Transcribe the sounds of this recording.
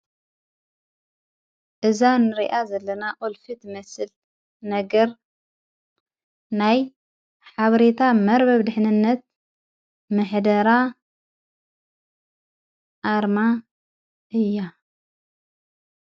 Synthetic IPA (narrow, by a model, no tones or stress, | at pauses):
ʔɨzanɨɾḭʔazɐlːɐnaʔolfɨt̪mɐsɨl | nɐɡɐɾ | naj | ħaβɐɾet̪ʰamɐɾbɐβd̪ɨħnɨnːɐt̪̚ | mɨħd̪ɐɾa | ʔaɾma | ʔɨjːa